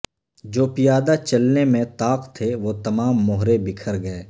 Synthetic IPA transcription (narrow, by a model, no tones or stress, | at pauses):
d͡ʒoːpɪjaːd̪at͡ʃɐlnemẽt̪aːqt̪ʰeʋoːt̪ɐmaːmːʊɦɾebɪkʰəɾɡɐeː